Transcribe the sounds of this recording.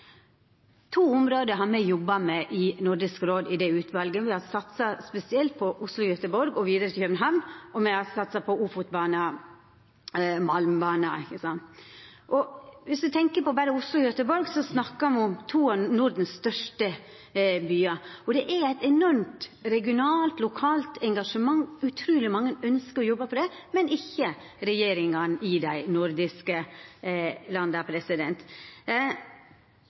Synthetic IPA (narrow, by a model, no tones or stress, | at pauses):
t̪ʰuːʊmɾoːd̪əɦɑɾmɛjɔbːɑmɛʔɪnʊɖɪskɾoːd̪ɪd̪ɛʉːt̪ʰʋɑlɡəʋɪhɑɾsɑt̪sɑspɛsɪɛlt̪̚pʰɔʔʊslʊjœt̪əbɔɾɡɔʋiːd̪əɾət̪ʰɪlçœmnɦæmʔɔmɛhɑsɑt̪sɑpʰɔuːfʊt̪bɑːnɑ | mɑlmbɑːnɑækəsɑnt̪ʔɔʋɪsd̪ʉt̪ʰɛŋkəpɔbæɾəʊslʊjœt̪əbɔɾɡsɔsnɑkːɑmʊmt̪ʰuːɑnʊɾd̪n̩sst̪œʂʈə | byːɑɔd̪ɛʔæɾæɪt̪ɛnɔɾmt̪ɾɛɡɪʊnɑːlt̪lʊkʰɑːlt̪ɛŋɡɑʂəmɑŋːʉt̪ʰɾʉːlɪmɑŋːənœnskəɾɔjɔbːəpʰɔd̪ɛmɛnɪçːə | ɾɛjeːɾɪŋɑnɪd̪æɪnʊɾd̪ɪskə | lɑnd̪ɑpʰɾɛsɪd̪ɛnt̪